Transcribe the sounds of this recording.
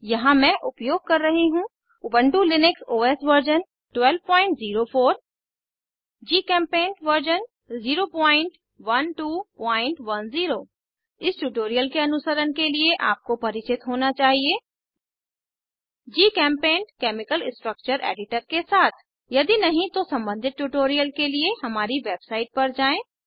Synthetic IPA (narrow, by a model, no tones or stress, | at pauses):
jɐɦãmɛ̃ʔʊpjoːɡ̚kɐɾːɐɦiɦũ | ʊbə̃ɳʈulɪnɪksoːeːsʋəɾd͡ʒən | ʈwɛːlʋpɔ̃ːɪ̃ɳʈziːɾofʰoːɾ | d͡ʒiːkɛ̃ːmpẽːɳʈʋəɾd͡ʒən | ziːɾopɔ̃ːɪ̃ɳʈ | ʋɐnʈuːpɔ̃ːɪ̃ɳʈʋɐnziːɾoː | ɪsʈuːʈoːɾijəlkeɐnʊsəɾənkelieʔaːp̚kopɐɾɪt͡ʃɪt̪ɦoːnat͡ʃaːɦieː | d͡ʒiːkɛ̃ːmpẽːɳʈkɛːmɪkəlɪsʈɾək̚t͡ʃəɾʔḛːɖɪʈəɾkesaːt̪ʰ | jɐd̪inɐɦĩt̪osɐ̃mbə̃nd̪ʱɪt̪̚ʈuʈoːɾijəlkelieɦɐmaːɾiʋeːbsaːɪʈ̚pɐɾd͡ʒaːẽː